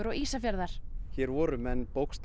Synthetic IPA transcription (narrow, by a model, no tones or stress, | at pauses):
ʏɾɔɣiːsafjaɾðaɾ̥çɛɾvɔɾʏmɛnːpowkst̪